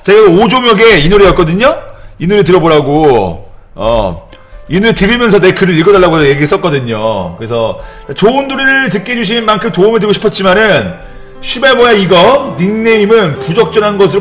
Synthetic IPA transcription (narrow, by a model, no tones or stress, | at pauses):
t͡ɕaeɡeod͡ʑomjʌɡe̞inuɾijʌt̚k͈ʌdɯɲoinuɾitɯɾʌboɾaɡo | ʌ̰ | inuɾitɯɾimjʌnsʰʌnekɯɾɯɾiɭɡʌdaɭːaɡoje̞ɡiɯɭs͈ʌtk͈ʌdɯɲo̰kɯɾesʰʌt͡ɕat͡ɕoɯnduɾiɾɯɭt̬ɯk͈̚e̞d͡ʑuɕ̬ʰinmankʰɯmtoumɯɭt̬ɯkɡoɕʰi̥pʰʌt̚t͡ɕ͈imanɯn | ɕʰibemʌjaiɡʌniŋne̞imɯnpud͡ʑʌk̚t͡ɕ͈ʌnɦanɡʌs̬ʰɯɾo